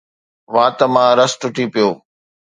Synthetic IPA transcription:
ʋãːt̪əmãːɾəsʈʊʈipijoː

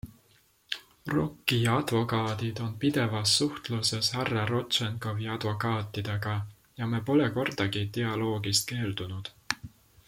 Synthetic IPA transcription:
ro̞̰kːijɑɑd̪̥vo̞kɑːd̪̥id̪̥o̞npid̪̥e̞vɑsːuht̪luse̞shærːɑɾo̞t̪ʃenko̞viɑd̪̥vo̞kɑːt̪ˑːid̪̥e̞ɡ̥ɑ | jɑmepo̞le̞ko̞rd̪̥ɑɡit̪eɑlo̞ːɡist̪̚ke̞ːld̪̥unud̪̥

